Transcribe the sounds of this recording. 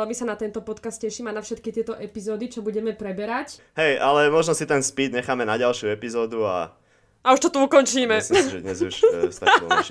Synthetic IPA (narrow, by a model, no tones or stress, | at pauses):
lbisanat̪ɛnt̪ɔpɔt̪kast̪cɛʃiːmaɪnafʃɛt̪kit̪ɪɛt̪ɔʔɛpizɔːd̪it͡ʃɔbuɟɛmɛpɾɛbɛɾac | ɦɛjʔalɛmɔʒnɔsit̪ɛnspid̪ɲɛxaːmɛnaɟalʃjuɛpizɔːd̪ua̰ | auʃt̪ɔt̪uukɔnt͡ʃiːmɛsisʒɛd̪ɲɛzuʃsa̰